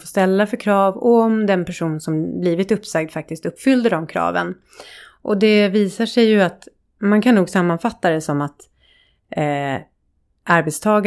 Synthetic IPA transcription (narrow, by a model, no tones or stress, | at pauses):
foːst̪ɛlːafœɾkʰɾɑːvɔmd̪ɛnpʰæʂuːnsɔmbliːvɪt̪ɵpːsɛɡ̚d̪fak̚t̪ɪst̪ɵpːfʏld̪əɖɔmkʰɾɑ̰ːvə̰n | ʔɔd̪ɛviːsaʂɛjːɵat̪ | mankʰanːuːɡsamːanfat̪ːad̪ɛsɔmat̪ | ʔaɾbɛt̪st̪ʰɑːɡa